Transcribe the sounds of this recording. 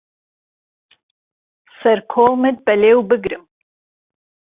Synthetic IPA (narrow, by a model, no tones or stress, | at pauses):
sɐɾkʰoːlˠmɨd̪̚bɐleːwbɨɡɾɨm